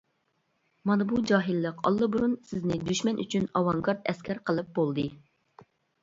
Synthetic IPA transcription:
mɑnɨbud͡ʒɑːɦilˠːəqɑ̰lˠːɨbuɾunsɪznɪd̪yʃmɛnʔy̰t͡ʃʰynɑwɑŋɡɑɾt̪ɛskʲʰɛɾqʰəlˠɨp̚bolˠd̪ɨ

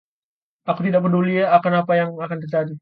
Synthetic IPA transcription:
akut̪̬idak̚pəduliaːkanapajaŋakant̪ərd͡ʒadi

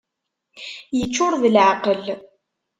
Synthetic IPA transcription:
jət͡ʃːʊɾðəlʕaqəl

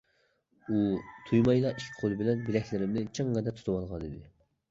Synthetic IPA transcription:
ut̪ʰujmɑjlˠɑʔikʲʰi̥qʰolˠɨbɪlɛnbɪlɛkʲlɪɾɪmnɪt͡ʃʰɨŋːɛd̪ɛt̪ʰu̥t̪ʰuwɑlˠʁɑnid̪ɪ

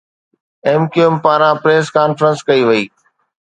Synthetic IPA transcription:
eːmkuempaːɾãpɾeːskaːnfɾə̃nskɐiʋɐiː

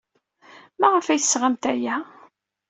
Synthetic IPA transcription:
mæʁəfæjθəsʁamt̪æjæ

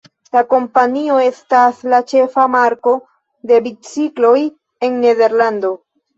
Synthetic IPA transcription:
lako̞mpanio̞e̞staslat͡ʃe̞famaɾko̞ | de̞bit͡siklo̞j | e̞nːe̞de̞ɾlando̞

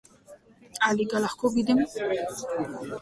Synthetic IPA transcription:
aliɡalaχkoɡid̪em

